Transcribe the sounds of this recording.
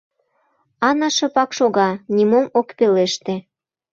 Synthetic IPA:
ɑnɑʃɤ̆pɑkʃoɣɑnʲimomokpeleʃt̪e

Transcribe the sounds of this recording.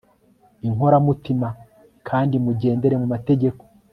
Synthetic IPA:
iŋɦo̞ɾamutima | kʰaːndimuɟe̞ːnde̞ɾe̞mumate̞ɟe̞ko̥

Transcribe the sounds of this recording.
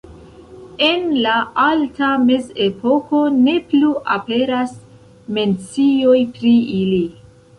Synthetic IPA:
e̞nlaaltame̞ze̞po̞ko̞ne̞pluʔape̞ɾas | me̞nt͡sio̞jpɾiili

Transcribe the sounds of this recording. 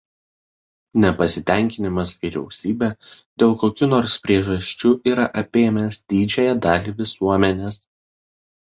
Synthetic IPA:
nʲɛpɐsʲɪt̪ʲɛˑŋʲkʲɪnʲɪmɐsʋʲiɾʲɛ̰ʊsʲiːbʲɛd̪ʲeːlˠkoːkʲunɔːɾspʲɾʲiɛʒɐʃʲt͡ʃʲuːʔiːɾɐʔɐpʲeːmʲeːsd̪ʲiːd͡ʒʲɛjɛd̪ɑːlʲiʋʲɪsuɔmʲɛnʲeːs

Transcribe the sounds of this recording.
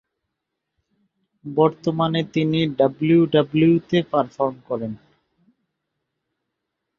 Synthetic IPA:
bɔɾt̪omanet̪iniɖabluɖablut̪epaɾfɔɾmkɔɾen

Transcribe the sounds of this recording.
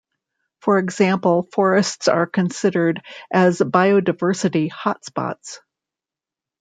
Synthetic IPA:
fə˞ɨɡz̥æ̃mpl̩ˠfɔɹɨstsə̰˞kʰɨ̃nsɪɾə˞ɾʔɨzbaɪoʊdaɪvɜ˞sɨɾihɑtspɑ̰ts

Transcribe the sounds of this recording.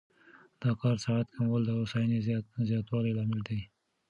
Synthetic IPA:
d̪̥ɑkɑɾsaat̪kʰamwəld̪əʊsɑjnizzjɑt̪wɑlajlɑmɪld̪i

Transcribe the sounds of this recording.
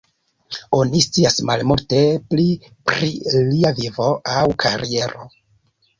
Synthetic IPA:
o̞nist͡siasmalmulte̞pli | pɾiliavivo̞ʔawkʰaɾie̞ɾo̞̰

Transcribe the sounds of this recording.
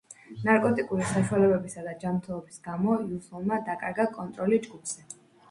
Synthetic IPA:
naɾkʼɔt̪ʼikʼuɾisaʃuwalɛbɛbisad̪ad͡ʒamɾt̪ʰɛlˠɔbisɡamɔiusɔlˠmad̪akʼaɾɡakʼɔnt̪ʼɾɔlid͡ʒɡupʰz̥ɛ

